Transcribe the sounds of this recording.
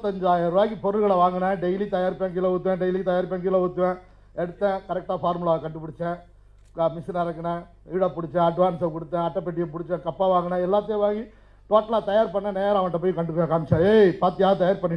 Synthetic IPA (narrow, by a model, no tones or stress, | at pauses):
t̪ːɐɲd͡ʒaːjɐɾʋaːkipɔɾɯlɣɐɭɐʋaːŋɡɐnɐ̃ɖɛjlit̪ɐjaːɾpɛŋɡɪlɐʊt̪̬ːʋɛ̃ːɖɛjlit̪ɐjaːɾpɛŋɡɪlɐʊt̪ːɯʋẽː | ɛɽɯt̪ːɛ̃kɐɾɛk̚ʈaːfaːɾmɯlaːkɐɳɖɯpʊɽɪt͡ʃːɛ̃ | mɪsɐnɐɾɐkːɐɳɐ̃ | ɪɽɐpʊɽɪt͡ʃːɛ̃ɐɖʋaːnsɐ̃kʊɽɯt̪ːɛ̃ɐʈːɐpɛʈ̬ːɪjɐpʊɽɪt͡ʃːɛ̃kɐpːaːʋaːŋɡɐnːɐ̃ɛlːaːt̪ːɐjɐ̃ʋaːŋɡi | ʈoːʈːɐlaːt̪ɐjaːɾpɐɳːɐneːɾɐʋɐʈːɐpoːjkɐɳɖɯkːɯːɛ̃kaːmt͡ʃãeːpaːɾt̪ːɯjaːɐt̪ɐjaːɾpɐɳːɪ